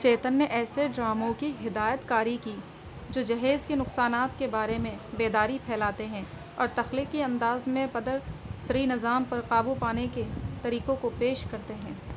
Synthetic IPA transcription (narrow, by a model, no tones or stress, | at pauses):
t͡ʃeːt̪ənːeʔɛːseɖɾaːmõkiɦɪd̪aːjət̪kaːɾiki | d͡ʒoːd͡ʒɐɦeːzkenʊqsaːnaːt̪kebaːɾemẽbeːd̪aːɾipʰɛːlaːt̪eɦɛ̃ | ɔ̰ːɾt̪ɐxliːkːiɐ̃nd̪aːzmẽpɐd̪əɾsɐɾinɪzaːmpɐɾqaːbupaːneket̪ɐɾiːqõkopeːʃkɐɾt̪eɦɛ̃ː